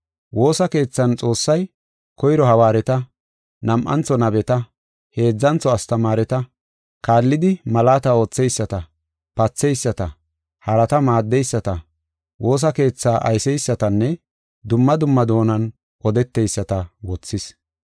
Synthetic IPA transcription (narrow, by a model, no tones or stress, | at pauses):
wo̞ːsɐke̞ːt͡sːɐnt͡sʼo̞ːsːɐj | kɔjɾɔhɐwaːɾɛt̪ɐ | nɐmʔɐ̰nt͡sːɔnɐbɛt̪ɐ | he̞ːd͡zːɐnt͡sɔɐst̪ɐmaːɾɛt̪ɐ | kaːlːɪd̪ɪmɐlaːt̪ɐo̞ːt͡sːɛjsːɐt̪ɐ | pɐt͡sːɛjsːɐt̪ɐ | hɐɾɐt̪ɐmaːd̪ːɛjsːɐt̪ɐ | wo̞ːs̬ɐke̞ːt͡sːaːʔɐ̰jsɛjsːɐt̪ɐnːɛ | d̪ʊmːɐd̪ʊmːɐd̪o̞ːnɐn | ʔɔd̪ɛt̪ːɛjsːɐt̪ɐwɔt͡sːɪs